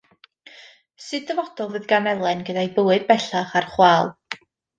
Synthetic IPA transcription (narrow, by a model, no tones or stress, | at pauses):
sɨddəvɔd̥ɔlˠvɨːðɡamɛlˠɛnɡədajbəwɨd̚bɛɬaχarχwaːlˠ